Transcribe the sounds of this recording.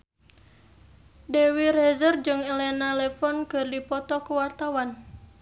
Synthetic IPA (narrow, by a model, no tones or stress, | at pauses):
dewirezərd͡ʒɨŋɛlɛnalɛfɔnkɨrdipɔt̪ɔkəwart̪awan